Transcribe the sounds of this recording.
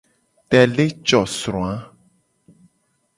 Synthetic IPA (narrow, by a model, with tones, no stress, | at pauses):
tɛ˨le˦t͡ʃɔ˨sɾɔ̃˨a˦